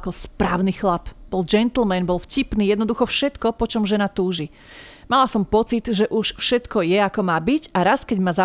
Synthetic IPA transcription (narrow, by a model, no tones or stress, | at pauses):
kɔspɾaːʊnixlapb̥ɔld͡ʒɛnt̪l̩mɛnbɔlfcipniːjɛd̪nɔd̪uxɔfʃɛt̪kɔpɔt͡ʃɔmʒɛnat̪uːʒi | malasɔmpɔt͡sit̪ʒɛʔuʃfʃɛt̪kɔjɛakɔmaːbiɟaɾaskɛɟmaza